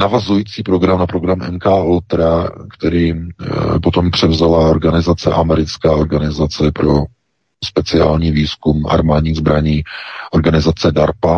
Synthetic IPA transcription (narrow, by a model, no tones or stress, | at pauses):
navazujiːt͡siːpɾo̞ɡɾamnapɾo̞ɡɾamɛ̰nkaːɛlt̪ɾakt̪ɛɾiːpot̪o̞mpr̝̥ɛvzalao̞ɾɡanɪzat͡sɛʔamɛɾɪt͡skaːo̞ɾɡanɪzat͡sɛpɾo̞ | spɛt͡sɪaːlɲiːviːskuma̰ɾmaːdɲiːɣzbɾaɲiːʔoɾɡanɪzat͡sɛdaɾpa